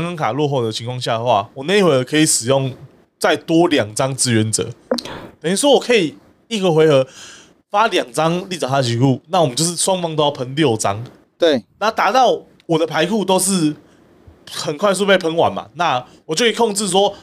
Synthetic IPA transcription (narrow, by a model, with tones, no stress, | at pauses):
ŋka˥˦ŋkʰa˨˩lwɔ˥˧xo˥˩ʊd̪ə˨t͡ɕʰi˧˦ŋkʰwɑ˥˧ŋɕja˥˩d̪ə˩xwa̰˥˨wɔ˨˩na˥˧˦i˦xwe˧ɪxə˧˦kʰɤ˧˥i˨ʂɻ̩˨˩jo˥˨ŋ | t͡sa˥˩ɪt̪wɔ˦ljɑ˨˩ŋt͡sɑ˦ŋt͡sɻ̩˦˥ɥɛ˨˦nt͡sɤ̰˨˩˦k̪ə˨ni˥˩s̬wɔ˦˥wɔ˨˩kʰə˧˥i˨˩ | i˥˩ɡə˧xwe˧ɪxɤ˧˦ | fa˦ljɑ˨˩ŋt͡sɑ˦ŋli˥˩t͡sa˨˩t̪a˥ə˨t͡ɕi˧˥kʰu˥˨na˥˩˨wmə˦nt͡ɕo˥˧ʊʂ̬ɻ̩˥˩ʂwɑ˥˦ŋfɑ˦ŋt̪o˥˦jpʰə˧˦nljo˥˩ʊt͡sɑ˦ŋ | t̪we˥˩ɪna˥˨t̪a˧˥t̪ɑ˥˨ʊ | wɔ˨˩d̪ə˨pʰa˧˦ɪkʰu˥˧t̪o˥ʊsʂ̬ɻ̩˥˩ | xə˨˩nkʰwa˥˧ɪs̬u˥˧pʰe˥˩ɪpʰə˧˥ŋwa̰˨˩nma̰˨˩na˥˨wɔ˨t͡ɕjo˥ʊkʰːkʰɔ˥˧ŋt͡sɻ̩˥˨s̬wɔ˦˥